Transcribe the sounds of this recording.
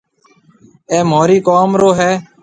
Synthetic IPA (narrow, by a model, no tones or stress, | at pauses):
eːmoːɾiːkoːmɾoːɦɛː